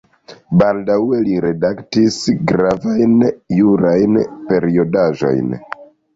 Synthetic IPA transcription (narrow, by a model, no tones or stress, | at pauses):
baldawe̞liɾe̞daktisɡɾavajnjuɾajnpe̞ɾio̞daʒo̞̰jn